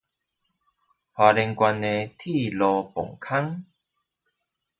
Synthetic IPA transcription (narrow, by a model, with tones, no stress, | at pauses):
hwa˨˧le˧ŋkwa˧ne˧t̪ʰi˥˧˨lɔ˧pɔ̰˨˩ŋkʰa˦ŋ